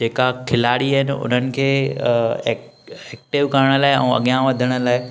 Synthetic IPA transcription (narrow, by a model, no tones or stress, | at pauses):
d͡ʑeːkakʰɪlaːɽiəɦɪnɪ̆ʊ̰n̤ənɪ̆kʰeː | ɛk̚ʈɪʋkɐɾəɽ̃ə̆laːɪɛ̰̃ːɐ̰ɠijãʋɐd̪ʱəɽ̃ə̆laːɪ